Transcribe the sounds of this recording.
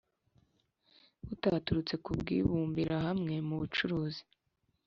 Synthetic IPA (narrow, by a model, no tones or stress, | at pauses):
utatuɾut͡se̞kubɡḭːβuːmbiɾaɦamŋe̞muβut͡ʃuɾuːzi